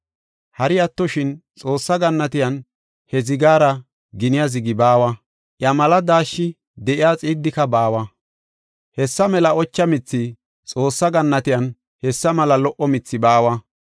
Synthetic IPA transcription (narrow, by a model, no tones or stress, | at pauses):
hɐɾɪɐt̪ːɔʃɪnt͡sʼo̞ːsːɐɡɐnːɐt̪ɪjɐn | hɛzɪɡaːɾɐ | ɡɪnɪjɐzɪɡɪbaːwɐ | ʔjɐmɐlɐd̪aːʃːɪ | d̪ɛʔɪjaːt͡sʼɪːd̪ːɪkɐbaːwɐ | hɛsːɐmɛlɐɔt͡ʃːɐmɪt͡sːɪ | t͡sʼo̞ːsːɐɡɐnːɐt̪ɪjɐn | hɛsːɐmɐlɐlɔʔɔmɪt͡sːɪbaːwɐ